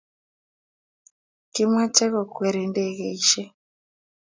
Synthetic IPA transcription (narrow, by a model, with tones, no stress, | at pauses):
ki˦mwa˦t͡ʃɛ˦kɔ˨kwɛ˨ɾi˨ndɛ˦ɣe˨iʃɛ˦